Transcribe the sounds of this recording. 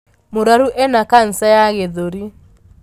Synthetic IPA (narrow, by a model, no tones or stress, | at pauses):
moɾaɾuʔɛnakan̩sajaɣeðoɾi